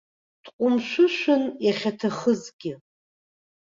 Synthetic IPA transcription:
tʰqʷʼʊmʃʷʊʃʷʊnjaχʲatʰaχəzɡʲɪ

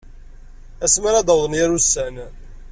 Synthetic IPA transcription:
æsməɾæd̪ɑwðˤənjæɾusːæn

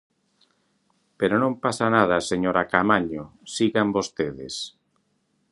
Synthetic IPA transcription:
peɾonõmpasanað̞aseɲoɾakamaɲosiɣambost̪eðɪ̰s

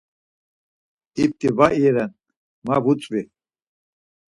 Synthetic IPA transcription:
ip̚t̪ʼivaʔiɛɾɛn | mavut͡sʼvi

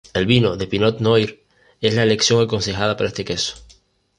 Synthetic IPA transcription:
e̞lβinoðe̞pinot̪nojɾ | e̞zlaele̞ksjo̞ŋako̞nse̞xað̞apaɾaest̪e̞keso̥

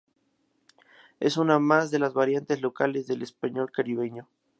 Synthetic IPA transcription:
e̞̰sunamazðe̞lazβaɾjant̪e̞zlo̞kale̞zðe̞lespaɲo̞lkaɾiβ̞e̞ɲo̞

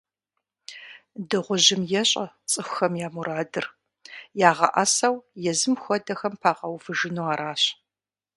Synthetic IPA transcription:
dɨʁʷʊʒɪmjɛɕʼɐ̰ | t͡sʼɨxʷxɐmjaːmuɾaːdɨr | jaːʁɐ̰ʔɐsɐwjɛzɨmxʷɔdɐxɐmpʰaːʁɐwfɨʒɨnuːaːɾaːɕ

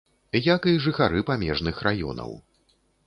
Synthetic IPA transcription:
jakɨʐɨxaɾɨpamʲɛʐnɨxrajɔ̰nɐ̰w

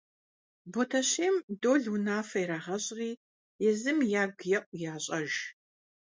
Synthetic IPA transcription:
botʰɐɕeːmdoːɮwʊnaːfɐjɾaːʁɐɕʼriː | jɛzɨmjaːɡjɐʔʷʼjaːɕʼɐʒ

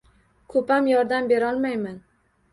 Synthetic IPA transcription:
kʰɵpamjɒɾd̪ambe̞ɾɒlˠmajman

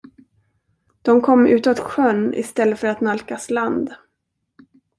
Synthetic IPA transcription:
d̪̥ɔmkʰɔmːʉ̟ːt̪ɔt̪ɧœnɪ̰st̪ɛlːəfœɾat̪nalkasland̪

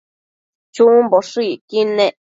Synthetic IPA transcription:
t͡ʃũboʂikinẽʔ

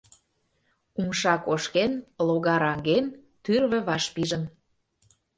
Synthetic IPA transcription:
umʃɑkoʃkenloɣɑɾɑŋɡent̪yrβə̆βɑʃpiʒə̆n

